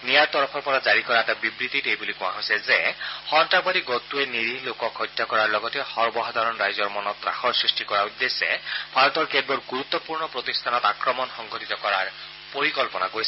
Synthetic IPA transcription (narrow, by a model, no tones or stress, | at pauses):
nijaɹt̪ɔɹɔpʰɔɹpɔɹazaɹikɔɹaɛtabibɹit̪itejbulikũa̰ɦojsɛzehɔntabadiɡɔt̪ueniɾilokɔkɦɔjt̪ːjakɔɹaɹlɔɡɔtɛhɔɹbɔɦɔd̪ʱaɾɔnɹajzɔɹmɔnɔt̪ɾa̰xɔɹsɹisʈikɔɹaɹud̪ːesɛbʱaɹɔt̪ɔɹkɛdbɔɹɡuɾut̪ːɔpuɹnɔpɹot̪ist̪ʰanɔt̪akɹɔmɔnxɔŋɡʱɔtit̪ɔkɔɹaɹ | poɹikɔlpɔnakoɹisɛ